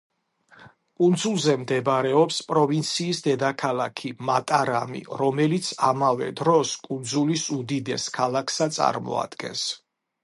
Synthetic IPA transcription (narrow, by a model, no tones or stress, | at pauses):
kʼund̪zulˠzɛmd̪ɛbɾɛɔpspʼɾɔvint̪sʰiːsd̪ɛd̪akʰalˠakʰimat̪ʼaɾamḭɾɔmɛlit̪sʰamavɛ̰d̪ɾɔskʼund̪zulisud̪id̪ɛskʰalˠakʰsat̪sʼa̰ɾmɔ̰a̰d̪̥ɡɛ̰ns